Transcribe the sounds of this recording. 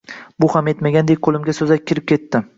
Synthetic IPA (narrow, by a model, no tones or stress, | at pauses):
bʊhame̞t̪maɡʲand̪ek̚ʲqʰolˠɪmɡʲasɵzak̚ʲkʲʰɪɾɪp̚kʲʰe̞t̪ːɪ